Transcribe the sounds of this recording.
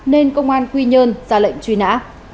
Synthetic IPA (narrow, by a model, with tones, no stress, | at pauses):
ne˧nkə˧wŋ͡mʔaː˧nkwi˧ɲəː˧nzaː˧˩lə̰˧˨jŋ̟t͡ɕwi˧˩na̰ː˧˥